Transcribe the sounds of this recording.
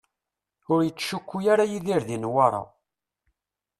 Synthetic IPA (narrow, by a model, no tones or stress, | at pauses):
ʊɾjət͡sːʃukʷːujaɾajiðiɾðinwɑɾˤɑ̰